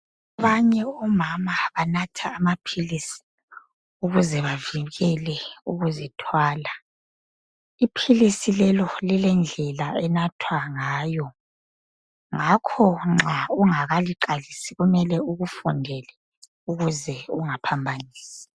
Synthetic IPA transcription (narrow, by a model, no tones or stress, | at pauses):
aβaɲɛɔmamaβanatʰaːmapʰilisi̥ | uɣuzɛβaviɣɛlɛuɣuzitʰwaːla | ipʰilisilɛlɔlilɛnd͡ɮʱɛlaɛnatʰwaŋaːjɔ | ŋakʰɔŋ͡ǁauŋaɣaliǃalisiɣumɛlɛuɣufɔndʱɛlɛ | uɣuzɛuŋapʰambʱaniːsi̥